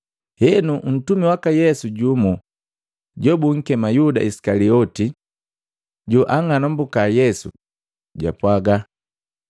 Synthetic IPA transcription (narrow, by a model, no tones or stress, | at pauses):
hɛnuʔn̩tumiwakajɛsuɟumu | ɟɔbuŋ̩kɛmajuda̰isi̥kaliɔti | ɟuʔaŋanɔmbukajɛsṵ | ɟa̰pwaɡa